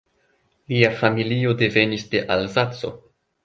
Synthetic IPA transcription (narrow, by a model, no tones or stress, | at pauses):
liafamilio̞de̞ve̞nisde̞ʔalzat͡so̞̰